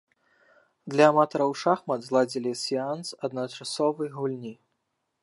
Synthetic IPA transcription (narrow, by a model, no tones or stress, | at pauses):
d̪lʲɐːmat̪ɔɾɐwʂaxmɐd̪zlˠad͡zʲilʲisʲiansɐd̪nɐt͡ʂasɔvɨjɣulʲnʲi